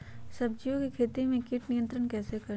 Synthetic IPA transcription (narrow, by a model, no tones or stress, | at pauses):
sɐb̚d͡ʒijõkikʰeːt̪imẽkiːʈnijə̃nt̪ɾənkɛːsekɐɾ